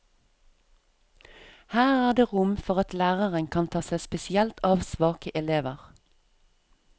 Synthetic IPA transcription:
hæːʁæːʁd̪eːʁʊmfɔʁɑt̪læːʁəʁənkʰɑnt̪ʰɑːsæɪspɛsɪɛlt̪ʰɑːʋsʋɑːkəʔɛleːʋəʁ

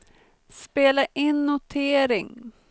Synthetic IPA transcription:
speːlaʔɪnːʊt̪ʰeːɾɪŋ

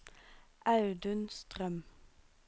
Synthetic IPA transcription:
ʔɑʉd̪ʉnst̪ʁœm

